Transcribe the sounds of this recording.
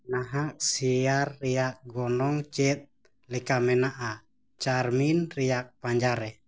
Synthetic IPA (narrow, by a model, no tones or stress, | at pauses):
naɦaʔsiarːiak̚ɡɔnɔŋt͡ʃɛt̪̚ | likamɛnaʔa | t͡ʃarminriak̚paɲd͡ʒaɾɛ